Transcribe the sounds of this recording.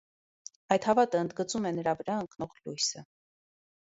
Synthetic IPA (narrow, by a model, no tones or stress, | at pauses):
ɑjt̪hɑvɑt̪əənd̪ɡət͡sumɛnəɾɑvəɾɑəŋknɔʁlujsə